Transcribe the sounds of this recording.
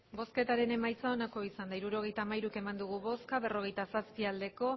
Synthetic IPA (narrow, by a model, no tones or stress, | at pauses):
bo̞ske̞t̪aɾe̞ne̞majt͡sao̞nako̞isand̪aiɾuɾo̞ɣ̞e̞jt̪amajɾuke̞mand̪uɣ̞uβo̞skaβe̞ro̞ɣe̞jt̪asaspiald̪e̞ko̞